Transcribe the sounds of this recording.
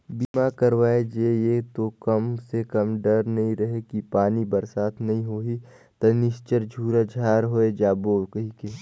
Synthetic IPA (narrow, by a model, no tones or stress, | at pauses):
biːmakɐɾʋaːed͡ʒejeːt̪okɐmsekɐmɖəɾnɐɦĩɾɐɦekipaːnibɐɾsaːt̪ʰnɐɦĩɦoːɦi | t̪ɐnɪst͡ʃəɾd͡ʒʱuːɾad͡ʒʱaːɾɦoːed͡ʒaːboːkəɦĩkeː